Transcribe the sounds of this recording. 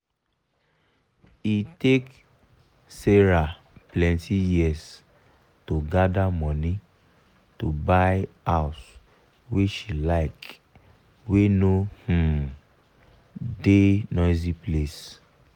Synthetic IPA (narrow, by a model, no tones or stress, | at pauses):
itek | seɹa | plɛ̃ntʰijiɛs | toɡadamɔ̃nĩ | tobaj | aʊs | weʃilaɪk | wenoh̩ | denɔɪziples